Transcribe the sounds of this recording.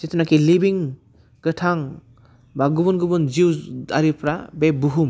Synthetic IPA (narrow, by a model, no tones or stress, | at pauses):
sit̪ʰunakilibiŋ | ɡɯtʰaŋ | baɡubɔnɡubund͡ʒiwdaɾipɾabebuɦum